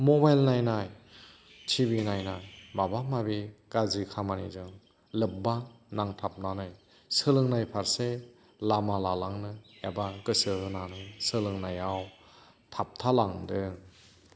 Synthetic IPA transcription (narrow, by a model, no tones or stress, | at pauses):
mɔbajlnajnaj | tʰiβinajnajmabamaβikazikʰamanḭzɯŋ | lɯp̚banaŋtʰap̚nanɯj | sɯlɯŋnajpʰaɾse | lamalalaŋnɯjabakɯsɯɦɯnanɯsɯlɯŋnajaw | tʰap̚tʰalaŋdɯŋ